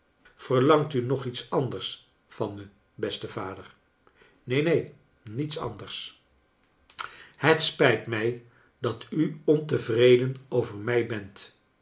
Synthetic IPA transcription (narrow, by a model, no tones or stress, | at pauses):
v̥ərlɑŋtynɔχitsɑndəɹs | fɑnmə | bɛstəv̥aːdər | nejnej | nitsɑ̰ndərs | hətspɛjtmɛj | dɑtʰyɔntəvrejdənowvəɹmɛjbɛnt